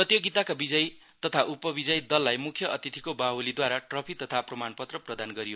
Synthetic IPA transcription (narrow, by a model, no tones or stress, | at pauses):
sʌt̪joɡit̪akabid͡zʌj | t̪ʌt̪ʰaʔupʌbid͡zʌjd̪ʌlːajmukʰjʌʔʌt̪it̪ʰikobaɦulid̪waɾaʈrʌpʰit̪ʌt̪ʰaprʌmanpʌt̪rʌprʌd̪anɡʌɾijo